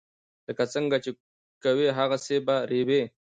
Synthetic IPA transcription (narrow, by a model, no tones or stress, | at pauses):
ləkat͡səŋɡat͡ʃe | kaweɦaɣasebaɾewe